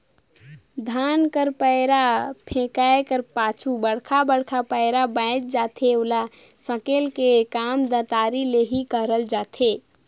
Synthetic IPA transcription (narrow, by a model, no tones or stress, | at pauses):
d̪ʱankəɾpəɾapʰẽkaekəɾpaːt͡ʃʰubəɽ̤kʰabəɽ̤kʰapəɪɾabə̃t͡ʃ̚d͡ʒat̪ʰeolasəkelkekamd̪ə̃t̪aɾileɦikəɾəld͡ʒat̪ʰe